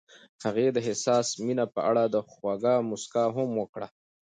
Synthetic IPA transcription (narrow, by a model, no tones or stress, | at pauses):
haɣed̪əɦɪsɑːsminapəʔa̰ɽad̪əxwaɡɑmʊskaɦʊmwəkɽa